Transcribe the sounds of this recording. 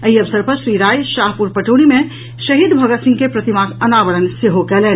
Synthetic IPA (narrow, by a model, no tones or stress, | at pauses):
əiəʋsəɾpəɾʃɾiɾaːjʃaːɦpuɾpɐʈoːñimẽ | ʃɐɦid̪bʱɐɡət̪sɪ̃ŋɡkepɾɐt̪imakənaʋəɾənseɦokɛːlɛːn